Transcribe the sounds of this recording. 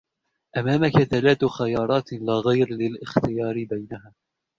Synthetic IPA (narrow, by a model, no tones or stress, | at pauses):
ʔamaːmakaθalaːt̪xajɑːɾˤɑːt̪laːɣajɾlɪlʔɪxt̪ɪjɑːɾɪbajnaɦaː